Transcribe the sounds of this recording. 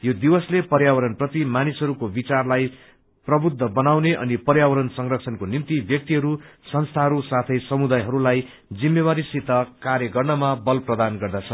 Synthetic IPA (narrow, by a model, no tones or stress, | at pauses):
jod̪iwʌslepʌrjawʌɾʌnprʌt̪imanisɦʌɾukobit͡sarlaj | prʌbud̪ʱːʌbʌnawneʔʌ̰nipʌrjawʌɾʌnsʌŋrʌksʰʌnkonimt̪ibjʌk̚t̪iɦʌɾusʌnst̪ʰaɦʌɾusat̪ʰʌjsʌmud̪ajɦʌɾulaj | d͡zimːeβaɾisit̪ːʌkaɾjʌɡʌrnʌmabʌlprʌd̪anɡʌrd̪at͡sʰʌ